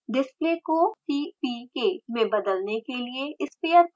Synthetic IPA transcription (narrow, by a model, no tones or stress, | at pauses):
ɖɪspleːkosiːpiːkeːmẽbɐd̪əlnekelieɪspeːə